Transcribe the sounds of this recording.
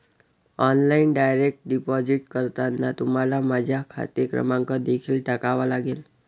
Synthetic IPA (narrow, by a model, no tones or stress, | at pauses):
ɔnlainɖajɾek̚ʈ̚ɖipɔd͡ʑiʈkəɾt̪anːat̪um̤alamad͡ʑʱjakʰa̰t̪ekɾə̰mãŋkəd̪ekʰiːlʈakaʋalaɡel